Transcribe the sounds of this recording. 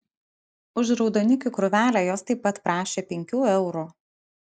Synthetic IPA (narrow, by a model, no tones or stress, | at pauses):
ʊʃɾɒʊd̪oːnʲɪkʲukɾʊʋʲæːlʲæjoːst̪ɐɪpːɐt̪pɾɑːʃʲeːpʲɛŋʲkʲuːɛʊɾuːˑ